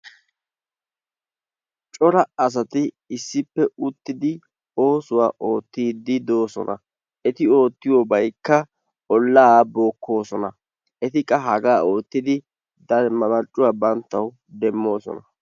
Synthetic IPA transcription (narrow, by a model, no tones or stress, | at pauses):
t͡ʃʼɔɾɐɐs̬ɐt̪ɪ | ɪsːɪpːɛʊt̪ːɪd̪ɪ | o̞ːsʊwaːʔo̞ːt̪ːiːd̪ːɪd̪o̞ːsɔ̰nʔɐ̰ | ɛt̪ɪo̞ːt̪ːɪjɔbɐjkːɐ | ɔlːaːbo̞ːkːo̞ːsɔnɐ | ʔɛt̪ɪkʼːɐɦɐɡaːo̞ːt̪ːɪd̪ɪ | d̪ɐɾmɐmɐt͡ʃʼːʊwaːbɐnt̪ːɐw | d̪ɛmːo̞ːsɔ̰nɐ